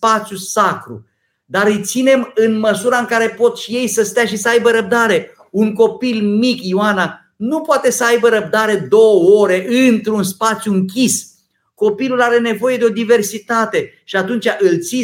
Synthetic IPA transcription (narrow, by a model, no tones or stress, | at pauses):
pat̪sjusakɾṵ | d̪aɾɨjt̪sine̞mɨnməsuɾaɨŋkaɾe̞po̞t̪ʃije̞jsəst̪eaʃisəajbəɾəb̚d̪aɾe̞ | uŋko̞pilmikjiwana | nupoat̪e̞səajbəɾəb̚d̪aɾe̞d̪o̞wəoɾe̞ʔɨnt̪ɾunspat̪sjuɨŋkʲis | ko̞pilulaɾe̞ne̞vo̞je̞d̪eo̞d̪ive̞rsit̪at̪e̞ | ʃiat̪unt͡ʃʲaʔɨlt̪si